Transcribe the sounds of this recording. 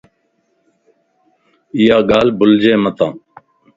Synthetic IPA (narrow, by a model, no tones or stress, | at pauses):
ɪjaːɡaːlbʊld͡ʒeːmət̪ãː